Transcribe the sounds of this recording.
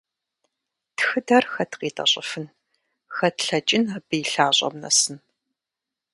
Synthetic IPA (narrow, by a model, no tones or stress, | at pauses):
tʰxɨdɐrxɐtqiːtʼɐ̰ɕʼɪ̰fɨn | xɐtɬɐt͡ʃʼɪnɐbɨjɬaːɕʼɐ̰mnɐ̰sɨn